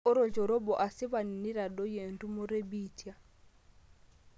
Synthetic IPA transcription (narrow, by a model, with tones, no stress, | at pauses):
ɔ˦ɾɔ˨t͡ʃɔ˨ɾɔ˦bɔ˨ʔa˨si˦βa˨ni˨ni˦ɾa˨dɔ˦je˨ntu˦mɔ˦ɾe˦bi˦ti˦a˦